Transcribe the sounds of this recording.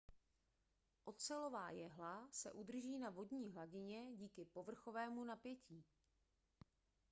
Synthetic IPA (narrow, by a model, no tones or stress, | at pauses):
ʔo̞t̪t͡sɛlo̞vaːjɛɦlasɛ̰ʔud̪r̩ʒiːnavo̞dɲiːɦlaɟɪɲɛɟiːkɪpo̞vr̩xo̞vɛːmunapjɛciː